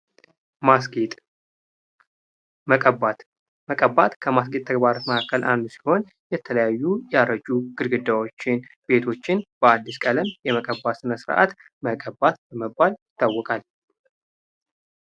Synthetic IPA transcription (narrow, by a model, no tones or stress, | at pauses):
maɡt̪ʼ | məkʼəbat̪ | məkʼəbat̪kʰəmas̬ɡet̪ʼʰːəɡbaɾot̪məkʰakːəlʔa̰nd̪usi̥ho̞n | jɛt̪ʰələjajːujɛaɾəd͡ʒuɡ̥ɨɾɡɨd̪awo̞t͡ʃːɪnb̥e̞t̪ʰo̞t͡ʃːɪnb̥əad̪ːiskʼələmjɛməkʼəbːasɨnəsɨɾʔa̰t̪ | məkʼəbat̪bəməbːaljɪt̪ːawːɔkʼal